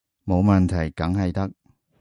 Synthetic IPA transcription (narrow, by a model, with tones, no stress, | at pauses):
mo˨˧wmɐ˨nt̪ʰɐ˨˩jkɐ˨˥ŋɦɐ˨jt̪ɐ˥k̚